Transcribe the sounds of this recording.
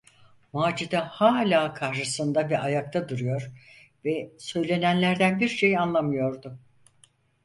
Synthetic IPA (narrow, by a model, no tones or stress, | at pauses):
maːd͡ʒid̪ahaːlʲaːkʰaɾʃɯsɯnd̪abiajak̚t̪ʰad̪uɾɯjo̞ɾ | vɛsø̞jlʲe̞nænlʲæɾd̪ænbiɾʃe̞janlˠamɯjo̞ɾd̪ʊ